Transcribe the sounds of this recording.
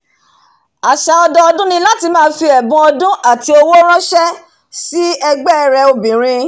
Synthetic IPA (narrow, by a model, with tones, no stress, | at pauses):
a˨ʃa˨ɔ˧dɔ˧ɔ˧dũ˦nĩ˧˦la˦ti˧mãː˦˧˦fi˧ɛ˨bũ˧˦ɔ˧dũ˦ʔa˦˨ti˧o˧wo˦ɾ̃ã˦ʃɛ˦ | si˦ɛ˧ɡ͡bɛ˦˨ɾɛ˧o˧bĩ˨ɾ̃ĩ˧